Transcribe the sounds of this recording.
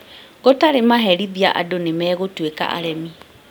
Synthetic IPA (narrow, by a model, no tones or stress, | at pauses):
ɣotaɾemaɦɛɾiðia̰ʔa̰donemɛːɣotweka̰ʔa̰ɾɛmi